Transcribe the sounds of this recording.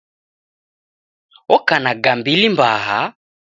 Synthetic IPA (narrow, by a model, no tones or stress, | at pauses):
ɔkanaɡambilimbaɦa